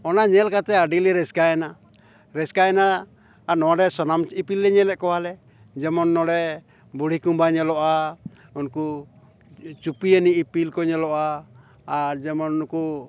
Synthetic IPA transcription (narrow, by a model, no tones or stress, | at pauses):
ɔnaɲɛlkat̪ɛaɖilɛɾɛskaɛna | ɾɛskaɛna | nɔaɖɛsɔnamipilːɛɲɛlɛʔkɔwalɛ | d͡ʒɛmɔnːɔɖɛ | buɽikumbaɲɛlɔʔaunku | t͡ʃupiəniipilkɔɲɛlɔʔaː | d͡ʒɛmɔnunku